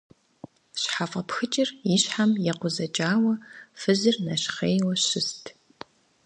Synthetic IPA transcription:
ɕħafʼɐpxɨt͡ʃʼɪriɕħamjɛqʷʊzɐt͡ʃʼaːwɐfɨzɨrnɐɕχeːjwɐɕɪstʰ

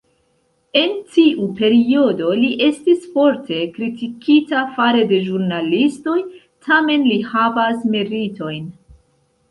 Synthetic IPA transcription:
e̞ntiʔupe̞ɾio̞do̞liʔe̞stisfo̞ɾte̞kɾitikitafaɾe̞de̞ʒuɾnalisto̞j | tʰame̞nlihavasmeɾito̞jn

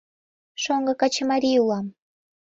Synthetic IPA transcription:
ʃoŋɡɤ̆kɑt͡ɕemɑɾʲijulɑm

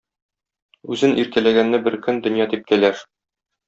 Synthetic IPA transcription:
ʉzɘnʔiɾkælæɡænːæbɘɾkɵnd̪ɵ̆njɑt̪ip̚kælæɾ

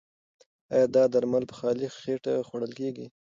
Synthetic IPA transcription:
ɑjɑd̪ɑd̪aɾmalpə̥xɑlixeʈa̰xwaɽəlkeɡi

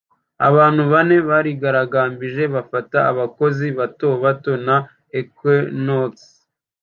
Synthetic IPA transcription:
a̰βaːnhuβane̞βaːɾiɡaɾaɡaːmbiʒe̞βafataːβako̞ziβatoβato̞na | ekenoks

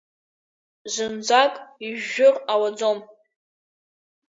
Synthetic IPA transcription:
zɨnd͡zʷakʼiʒːʊrawad͡zom

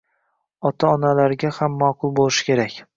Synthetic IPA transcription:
ɒt̪ʰaɒnalaɾɡʲahamːaqʰʊlˠbolˠɪʃɪ̥kʲʰe̞ɾakʲ

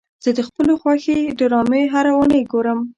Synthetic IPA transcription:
z̥əd̪əxpəloxwaxed̪əɾɑmeɦaɾawənəjɡoɾəm

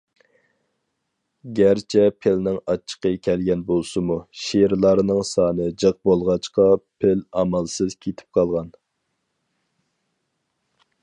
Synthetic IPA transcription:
ɡʲæɾt͡ʃʰɛpʰɪlnɪŋɑt͡ʃʰːə̥qəkʲʰɛlɡʲɛnbolˠsɨmuʃeɾlˠɑɾnɨŋsɑːnɨd͡ʒəq̚bolˠʁɑt͡ʃqɑpʰɪlɑmɑlˠsɨz̥kʲʰet̪ʰɪ̥p̚qʰɑlˠʁɑn

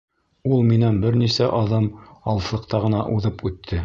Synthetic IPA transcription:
ulˠminænbɘɾnisæʔɑðɤmɑlˠɤ̆slˠɤ̆qt̪ɑʁɤ̆nɑʔuðɤpʉt̪ʰːɘ

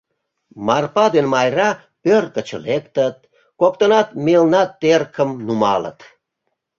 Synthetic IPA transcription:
mɑrpɑd̪enmɑjrɑ | pørkət͡ɕə̰lekt̪ət̪̚ | kokt̪onɑt̪melnɑt̪ːerkʰəmnumɑ̰lə̰t̪

